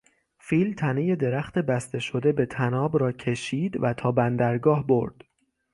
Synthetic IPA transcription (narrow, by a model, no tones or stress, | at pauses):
fiːlt̪ʰæneje̞d̪e̞ɾæxt̪e̞bæst̪ʰe̞ʃo̞d̪e̞be̞t̪ʰænɒːbɾɒːcʰe̞ʃiːd̪væt̪ʰɒːbænd̪æɾɡɒːhbo̞̰ɾd̪̥